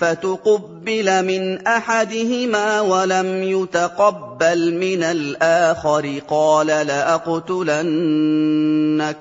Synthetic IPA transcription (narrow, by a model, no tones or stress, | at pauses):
fat̪ʊqɑbːɪlamɪnʔaħad̪ɪhɪmaːwalamjʊt̪aqɑbːalmɪnalʔaːxaɾɪqɑːlalaʔɑqt̪ʊlan | ak̚